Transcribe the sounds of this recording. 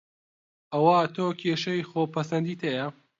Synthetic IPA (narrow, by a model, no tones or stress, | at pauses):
ʔɐwat̪ʰoːkʰeʃɐjxoːpʰɐsɐnd̪iːt̪ʰɐjɐ